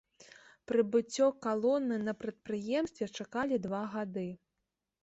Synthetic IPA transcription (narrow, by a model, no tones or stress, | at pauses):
pɾɨbɨt͡sʲːɔkalˠɔnːɨnɐpɾɐt̪̚pɾɨjɛmst̪vʲɛt͡ʂakalʲid̪vaɣad̪ɨ